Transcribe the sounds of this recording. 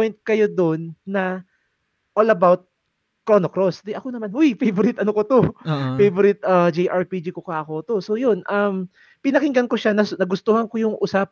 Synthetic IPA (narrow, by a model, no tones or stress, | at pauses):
jnt̪̚kɐjo̞d̪onːɐ | ʔolɐbawt̪̚ | konokɾosd̪ɪʔɐkonɐmanʊjfejboɾɪt̪ʔɐnokot̪ofejboɾɪt̪̚ɐd͡ʒejʔaɹpid͡ʒikokaʔɐko̞t̪o̞so̞jonʔɐm | pɪnɐkɪŋɡɐnko̞ʃanɐnɐɡʊst̪ohɐnkojʊŋʔʊsap̚